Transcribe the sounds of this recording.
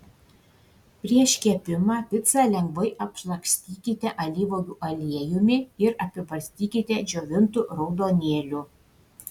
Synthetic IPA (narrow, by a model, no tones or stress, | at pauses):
pʲɾʲiɛʃʲkʲiɛpʲɪmɑpʲɪt̪sɑlʲɛŋɡʋɐɪʔɐpʃlˠɐksʲt̪ʲiːkʲɪt̪ʲɛʔɐlʲiːʋojʲuːʔɐlʲiɛjʊmʲɪɪɾɐpʲɪbɐɾʲsʲt̪ʲiːkʲɪt̪ʲɛd͡ʒʲoːʋʲɪnt̪uɾɒʊd̪oːnʲeːlʲuː